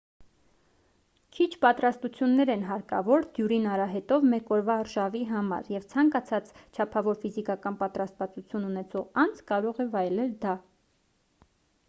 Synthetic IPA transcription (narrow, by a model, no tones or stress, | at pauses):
kʰit͡ʃʰpɑt̪ɾɑst̪ut͡sʰjunːɛɾɛnɦɑɾkɑ̰vɔɾd̪̥juɾinɑɾɑɦɛt̪ɔvmɛkɔɾvɑrʃɑviɦɑmɑ̰ɾjɛvt͡sʰɑŋkɑt͡sʰɑt͡st͡ʃʰɑpʰɑvɔɾfizikɑkɑnpɑt̪ɾɑst̪vɑt͡sut͡sʰjununɛt͡sʰɔʁɑnd͡zkɑɾɔʁɛvɑjlɛld̪ɑ